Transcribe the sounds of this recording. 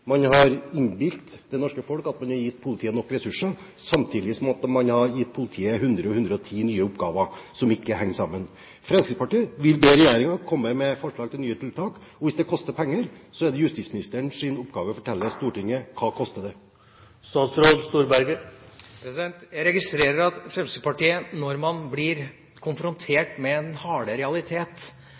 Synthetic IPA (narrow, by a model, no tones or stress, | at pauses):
mɑnhɑɾɪnbɪlt̪d̪ɛnɔʂkəfɔlkɑt̪mɑnhɑɾjɪt̪ːpʰʊlɪt̪ʰiːənɔkːɾɛsʉʂə | sɑmt̪ʰiːd̪ɪəsɔmɔt̪ːəmɑnhɑjɪt̪̚ːpʰʊlɪt̪ʰiːəɦʉnd̪ɾəɔhʉnd̪ɾəɔt̪ʰiːnyːəʊpɡɑːʋəsɔmɪkːəhɛŋːsɑmːən | fɾɛmskɾɪt̪spɑʈiːəʋɪlbeːɾɛjeːɾɪŋɑkʰɔmːəmɛfɔʂɭɑːɡ̚t̪ʰɪlnyːət̪ʰɪlt̪ʰɑːkɔʋɪsd̪ɛkʰɔst̪əɾpʰɛŋːəɾsɔɛd̪əjʉst̪ismɪnɪst̪əəɳsɪnʊpɡɑːʋəfɔʈʰɛlːəst̪uːʈɪŋːəkʰɑːkʰɔst̪əd̪ɛ | st̪ɑːt̪sɾoːd̪st̪uːɾbæɾɡəpʰɾɛsɪd̪ɛnt̪jæɪɾɛɡɪst̪ɾeːɾəɾɑt̪fɾɛmsɪpɑʈiːənɔɾmɑnblɪɾ | kʰʊnfɾʊnt̪ʰeːʈmɛɛnhɑːɽəɾɛɑlɪt̪ʰeːt̪